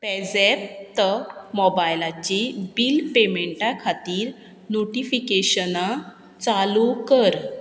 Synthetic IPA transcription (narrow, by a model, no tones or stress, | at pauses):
pɛd͡zeɾt̪əmɔbajlat͡ɕibilpemeɳʈakʰat̪iːɾ | noʈifikeɕəna | t͡salukəɾ